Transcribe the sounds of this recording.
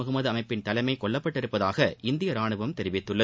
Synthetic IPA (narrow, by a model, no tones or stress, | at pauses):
ɐɣɯmɐðɯɐmɐɪpːɪnt̪ɐlɐɪmɐɪkːɔɭːɐpːɐʈːɪɾɯpːɐðaːɣɐɪnd̪ɪjɐɾaːɳɯʋɐmt̪ɛɾɪʋɪt̪ːɯɭːɐ